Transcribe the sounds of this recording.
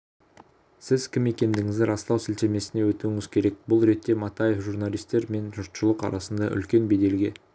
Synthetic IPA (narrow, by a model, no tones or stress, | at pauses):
sɪzkʲʰɪme̞kʲe̞nd̪ɪŋɪzd̪ɪɾɑst̪ɑwsɪlt̪eme̞sɪne̞wɵt̪uɪŋɪzkʲʰe̞ɾe̞k̚bʊlˠɾe̞t̪ːe̞mɑt̪ɑje̞fʒuɾnɑlˠijst̪e̞ɾme̞nʒʊɾt̪ʃʊlˠəqɑ̰ɾɑsənd̪ɑʔʏ̰lkʲe̞nbe̞d̪e̞lɡʲe̞